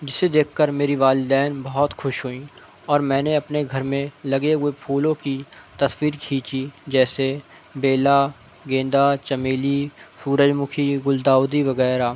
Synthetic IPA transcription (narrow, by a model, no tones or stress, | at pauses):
d͡ʒɪsːed̪eːkʰkəɾmeːɾiʋaːlɪd̪ɛːnbɐɦɔt̪xʊʃɦʊĩ | ɔːɾmɛ̃ːneɐpneɡʱɐɾmẽlɐɡeɦʊepʰuːlõkit̪ɐswiːɾkʰiːt͡ʃid͡ʒɛːse | beːla | ɡẽːnd̪at͡ʃɐmeːlisuːɾəd͡ʒmʊkʰiɡʊld̪aːwd̪iʋɐɣɛːɾaː